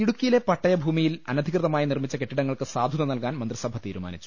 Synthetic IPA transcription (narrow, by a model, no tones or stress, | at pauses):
iɽukʲːijile̞pɐʈːɐjɐbʱuːmijilɐ̰nɐd̪ʱikrɨðɐmaːjinirmit͡ɕːɐke̞ʈːiɽɐŋːɐɭkɨsaːd̪ʱuðɐnɐlkaːnmɐnd̪risɐbʱɐt̪iːɾuma̰ːnit͡ɕːu̥